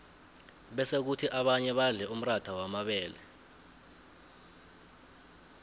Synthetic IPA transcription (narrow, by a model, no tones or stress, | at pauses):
ɓɛsek̬utʰiʔaɓaɲɛɓaɮɛum̩ratʰawamaɓɛːlɛ̰